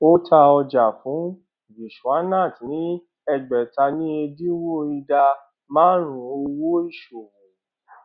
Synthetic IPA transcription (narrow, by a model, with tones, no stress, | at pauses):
o˦tʰa˧ɔ˧d͡ʒa˨fũ˨˦ | ɡi˨ʃu˨a˦nã˦˨tnĩ˨˦ | ɛ˧ɡ͡bɛ˨ta˧nĩ˦e˧di˦wo˦i˧da˧ | mãː˦ɾ̃ũ˨˦o˧wo˦i˦˨ʃo˨wũ˨